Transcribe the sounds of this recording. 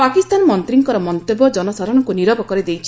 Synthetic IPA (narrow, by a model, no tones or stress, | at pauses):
pakist̪anmɔnt̪ɾiŋkɔɾɔmɔnt̪obɔd͡ʒɔnɔsaɾɔnɔŋkuniɾɔbɔkɔɾid̪ejt͡ʃʰi̥